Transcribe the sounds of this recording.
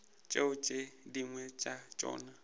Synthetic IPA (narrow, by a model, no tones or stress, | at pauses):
t͡ʃʼeʊt͡ʃʼediŋwɛt͡ʃʼat͡ʃʼɔ̰ːna